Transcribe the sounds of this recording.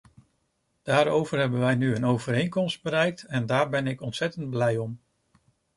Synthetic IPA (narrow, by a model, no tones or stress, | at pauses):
d̥aːɾowvəɹɦɛbənʋɛjnyənowvəɾejŋkɔmsd̚bəɾɛjk̚tɛndaːɹbɛnɪkɔntsɛtənd̚blɛjɔm